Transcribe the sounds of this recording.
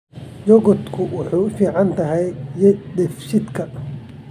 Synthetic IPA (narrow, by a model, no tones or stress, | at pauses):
jɔɡɔt̪kʰʊwʊħuːfiːʕɑnt̪ʰɐɦɛjjɛd̪ɛfʃɪd̪kʰɐ